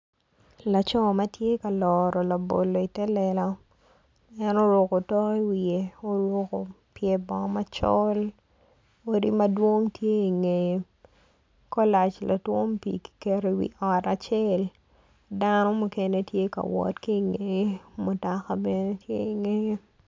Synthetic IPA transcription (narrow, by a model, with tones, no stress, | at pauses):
la˨t͡ʃɔ˦ma˦tje˦ka˨lɔɾɔ˨la˨bo̰˨lːo˨i˨tɛ˦lɛ˨lɔ˦ | ɛ˦no˦ɾo˨ko˨tɔ˦ki˦wie˨o˦ɾo˦ko˨ | pje˨bɔ˨ma˦t͡ʃɔ̰˦l | o˨di˦ma˦dwo˦ŋtje˦i˨ŋe˨je | kɔ˦la˨t͡ʃla˨two˦mpḭ˨ki̥˨ke˦ɾeiwḭ˨ʔɔ˨ta˨t͡ʃe˦l | danɔ˦mu˨ke˦ne˦tje˦ka̰˨wɔ̰˨tki˦˨ŋe˨˦mʊ˨ta˨ka˨bɛ˦ne˦tje˦i˨ŋe˦